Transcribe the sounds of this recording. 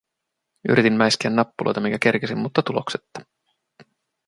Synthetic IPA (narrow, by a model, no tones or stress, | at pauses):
y̰ɾʔit̪immæjskeænːɑpːulʔojt̪ɑmiŋkæk̟erk̟esimmut̪ːɑt̪ulokse̥t̪ːɑ̥